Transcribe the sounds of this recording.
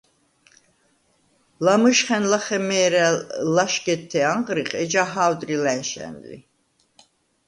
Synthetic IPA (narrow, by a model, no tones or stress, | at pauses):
lamɨʃχɛnlaχɛmɛːɾɛlaʃɡɛt̪ʰːɛaɴʁɾiqʼɛd͡ʒaɦawd̪ɾilɛnʃɛ̰nlḭ